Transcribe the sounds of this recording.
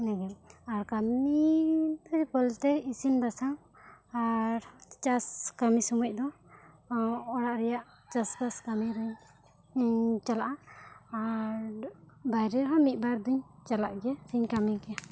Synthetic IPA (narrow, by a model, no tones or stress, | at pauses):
nɛɡɛlaɾkamid̪ɔpɔlt̪ɛisinbasam | aɾt͡ʃaskamisɔmɔc̚ˀd̪ɔ | ɔɽaʔɾɛjaʔ | t͡ʃaskaskamiɾuɲ | t͡ʃalaʔaː | ɾbajɾɛɦamit̪̚ˀbaɾd̪uɲt͡ʃalaʔɡɛsiɲkamiɡɛa